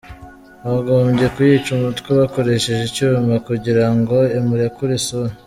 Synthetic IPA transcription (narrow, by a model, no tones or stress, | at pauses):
βaɡo̞ːmbɟe̞kujit͡ʃumutkeβako̞ɾe̞ʃe̞ʒicuːmakuɟiɾaŋɡo̞emuɾekuɾiso